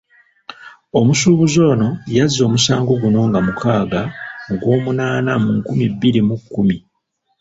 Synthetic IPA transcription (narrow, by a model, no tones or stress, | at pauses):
o̞musuːβuzo̞ːno̞jazːo̞ːmusaːŋɡo̞ɡuno̞ŋɡamukʰaːɡaŋɡwo̞ːmunaːnamuŋkumibːiɾimukːumi